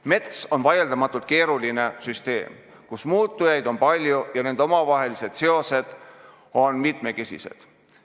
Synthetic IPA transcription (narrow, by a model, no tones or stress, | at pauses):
me̞t̪so̞nvɑje̞ld̪ɑmɑt̪ːˑult̪̚ke̞ːɾuline̞syst̪e̞̰ːm | kusmuːt̪ˑːujɑjd̪o̞npɑlʲjujɑne̞nd̪o̞mɑvɑɦe̞lise̞d̪̥se̞o̞se̞d̪̥ | o̞nmit̪me̞kesʲḭse̞̰d̪̥